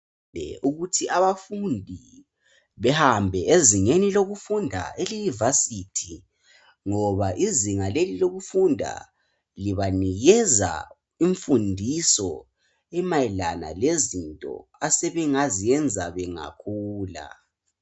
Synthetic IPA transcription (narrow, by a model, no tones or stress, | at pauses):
ɛ̰uɣutʰiʔaβafundʱi | βɛhambʱɛeziŋeniloɣufundʱa̰elunivasitʰi | ŋɔβaʔiziŋaleliloɣufundʱa̰ | liβaniɣɛza̰ | iɱfundʱisɔ̰ | ɛmaɛlana̰lezintʼɔ̰asɛβɛŋazijɛnd͡zʱaβɛŋa̰kʰuːla̰